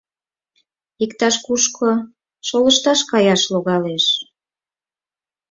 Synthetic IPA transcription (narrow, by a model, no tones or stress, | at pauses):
ikt̪ɑʃkuʃkʰo | ʃoləʃt̪ɑʃkɑjɑʃloɣɑleʃ